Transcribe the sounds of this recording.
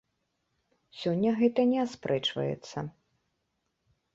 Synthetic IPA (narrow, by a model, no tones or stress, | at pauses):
sʲɔnʲːɐɣɛt̪ɐnʲɛaspɾʔɛt͡ʂvɐ̰jɛ̰t̪sːɐ